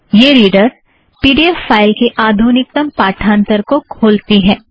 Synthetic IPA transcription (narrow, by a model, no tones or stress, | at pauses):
jeːɾiːɖəɾ | piːɖiɛfːaːɪlkeʔaːd̪ʱuːnɪk̚t̪əmpaːʈʰãːnt̪əɾkokʰoːlt̪iɦɛ̃ː